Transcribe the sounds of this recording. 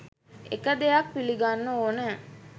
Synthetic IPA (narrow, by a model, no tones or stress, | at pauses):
ḛkəd̪ejak̚piliɡanːəoːnəː